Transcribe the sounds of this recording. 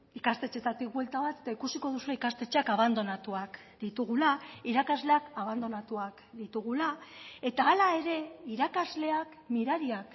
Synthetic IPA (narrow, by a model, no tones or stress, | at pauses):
ikast̪e̞t͡ʃe̞t̪at̪ik̚bwe̞lt̪aβat̪e̞̥t̪aikusiko̞ð̞usueikast̪e̞t͡ʃeakaβ̞and̪o̞nat̪uak | d̪it̪uɣ̞ulaiɾakazle̞akaβ̞and̪o̞nat̪uak | d̪it̪uɣ̞ulae̞t̪aːlae̞ɾe̞iɾakazle̞ak | miɾaɾiak